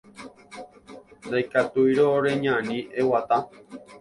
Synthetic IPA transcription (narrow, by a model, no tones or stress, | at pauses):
nd̪ajkat̪ujɾoɾeɲãnĩʔewat̪a